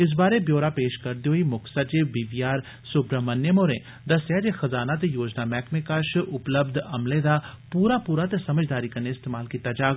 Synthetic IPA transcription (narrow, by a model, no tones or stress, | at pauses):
ɪs̬baːɾebjoːɾaːpeːʃkəɾd̪eoimʊksat͡ʃebiːʋijaːɾ | sʊpɾəmənjəmoːɾẽ | d̪ɐsjad͡ʒexɐzaːnat̪ejoːd͡ʒnaːmɛːkmẽkəʃʊpləbd̪ɐmled̪aːpuːɾapuːɾat̪esəməd͡ʒd̪aːɾiːkəɾneɪst̪eːmaːlkiːt̪ad͡ʒaːɡ